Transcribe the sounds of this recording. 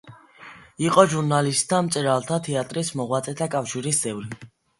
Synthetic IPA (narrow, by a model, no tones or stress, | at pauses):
iqʼɔʒuɾnalist̪ʼt̪ʰːamt̪sʼɛɾalˠt̪ʰat̪ʰɛat̪ʼɾismɔʁwat̪sʼɛt̪ʰakʼafʃiɾisd̪zɛvli